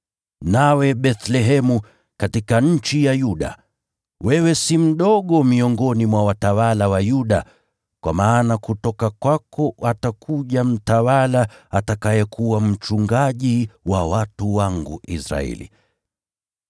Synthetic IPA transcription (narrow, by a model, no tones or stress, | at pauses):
nawɛɓɛθlɛɦɛmu | katikaɲ̩t͡ʃijajuɗa̰ | wɛwɛsim̩ɗɔɠɔmiɔŋɡɔnimwawatawalawajuɗa | kwa̰maːnakutɔkakwakɔatakʰuʄam̩tawalaatakajɛkʰuwam̩t͡ʃuŋɡaʄiwawatuwaŋɡṵʔḭsɾa̰ɛ̰lḭ